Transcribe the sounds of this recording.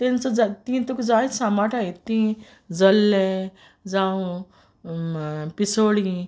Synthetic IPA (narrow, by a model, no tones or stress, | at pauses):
t̪ent͡sɔd͡zat̪ĩt̪ukd͡zaisamaʈʰait̪ĩ | d͡zəlːe | d͡zaũ | pisoːɽĩ